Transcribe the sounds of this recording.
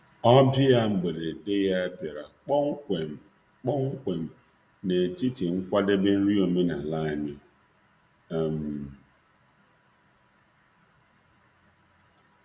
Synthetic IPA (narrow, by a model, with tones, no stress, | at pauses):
ɔ˦bjɪ˦ja˦ŋ͡m̩˨ɡ͡be˨ɾe˨de˦ja˦e˦be˨ɾa˨k͡pɔ˦ŋ̩˦kʷe˨m̩˨ | k͡pɔ˦ŋ̩˦kʷe˨m̩˨ | ne˨ti˦ti˨ŋ̩˦kʷa˦de˦be˦n̩˦ɾi˦o˨me˦na˨la˦a˨ɲe˦˨ | m˨